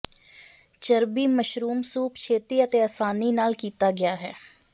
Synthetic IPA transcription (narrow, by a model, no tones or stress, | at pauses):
t͡ʃəɾbiːməʃɾuːmsuːpt͡ʃʰeːt̪iːət̪eːəsaːniːnaːlkiːt̪aːɡɪaːɦɛː